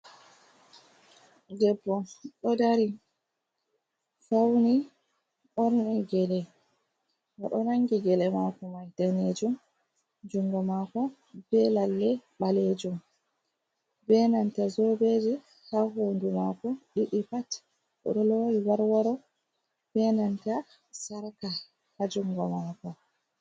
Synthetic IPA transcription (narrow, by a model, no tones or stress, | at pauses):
dɛbːɔɗɔdaɾi | fawni | ʔɔɾnɛɡɛlɛ | wa̰ɗɔnaŋɡiɡɛlɛmakɔmajtaned͡ʒum | d͡ʒuŋɡɔmakɔ | bɛlalːɛɓaled͡ʒum | bɛnantazɔbed͡ʒi | haɦondumakɔɗiɗipat | ʔɔ̰ɗɔloiwaɾwaɾɔ | b̥ɛnanta | saɾka | had͡ʒuŋɡɔmakɔ